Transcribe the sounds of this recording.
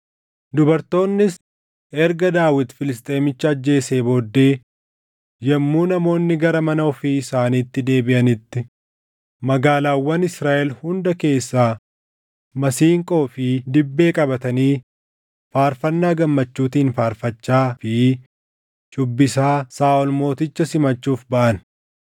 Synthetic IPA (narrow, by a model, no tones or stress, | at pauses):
d̪ʊbɐɾt̪o̞ːnːɪs | ɛɾɡɐd̪aːwɪt̪fɪlɪst̪ʼe̞ːmɪt͡ʃːɐɐd͡ʒːe̞ːseːbo̞ːd̪ːe̞ː | jɛmːuːnɐmo̞ːnːɪɡɐɾɐmɐnɐɔfiɪsaːniːt̪ːɪd̪e̞ːbɪʔɐnɪt̪ːɪ | mɐɡaːlaːwːɐnɪsɾaːʔɛlhʊnd̪ɐke̞ːsːaː | mɐsiːŋkʼo̞ːfɪd̪ɪbːe̞ːkʼɐbɐt̪ɐniː | faːɾfɐnːaːɡɐmːɐt͡ʃːuːt̪iːnfaːɾfɐt͡ʃːaːfɪ | t͡ʃʼʊbːɪsaːsaːʔɔlmo̞ːt̪ɪt͡ʃːɐsɪmɐt͡ʃːuːfbɐʔɐn